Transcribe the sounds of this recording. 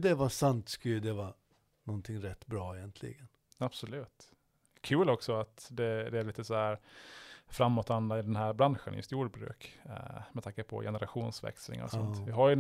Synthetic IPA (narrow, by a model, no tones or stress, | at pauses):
d̪ɛvasant̪skɵlːəd̪ɛvɑ | nɔnt̪ʰɪŋɾɛt̪ːbɾɑːɛjɛnt̪ʰlɪ̰ɡən | ab̥sɔlʉ̟ːt̪ | kʰʉ̟ːlɔksɔat̪d̪ɛd̪ɛæɾɭiːt̪əsɔhæɾ | fɾamːɔt̪and̪aɪd̪ɛnɦæːɾbɾanɧə̰njɵ̰st̪juːɖbɾʉ̰ːkmɛt̪ʰaŋkəpʰɔ̰jʔɛnəɾaɧuːnsvɛ̰kslɪ̰ŋɔ̰sɔnt̪vɪɦaɾj